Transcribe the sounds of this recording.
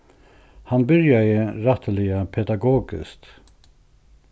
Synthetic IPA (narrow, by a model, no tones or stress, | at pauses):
hanbʏɾjajəɾat̪əlɪapʰɛd̪aɡoːɡɪ̰st̪